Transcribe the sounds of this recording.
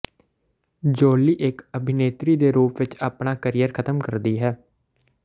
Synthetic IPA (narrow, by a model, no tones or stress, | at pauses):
d͡ʒoːliːʔɪkəbʱɪneːt̪ɾiːd̪eːɾuːpʋɪt͡ʃaːpnaːkəɾijəɾkʰət̪əmkəɾd̪iːɦɛː